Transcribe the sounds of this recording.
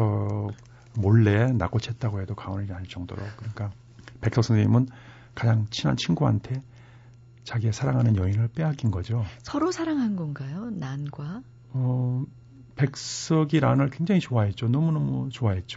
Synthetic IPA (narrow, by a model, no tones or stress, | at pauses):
ʌ | moɭːe̞na̰k͈ot͡ɕʰet̚t͈aɡoɦe̞dokaoniaɭt͡ɕ͈ʌŋdo̰ɾo̰kk͈ɯɾik͈a | pe̞k̚s͈ʌk̚s͈ʰʌŋḭmɯn | kad͡ʑaŋt͡ɕʰina̰nt͡ɕʰinɡua̰ntʰe̞ | t͡ɕaɡie̞sʰaɾaŋɦanɯnjʌinɯɭp͈e̞ɦakinɡʌd͡ʑosʰʌɾosʰaɾaŋɦanɡʌnɡajonanɡwa | ʌ | pe̞k̚ss͈ʰʌɡiɾanɯɭkwe̞ŋd͡ʑaŋit͡ɕoaɦe̞t̚t͡ɕ͈onʌmunʌmut͡ɕoaɦe̞t̚t͡ɕ͈o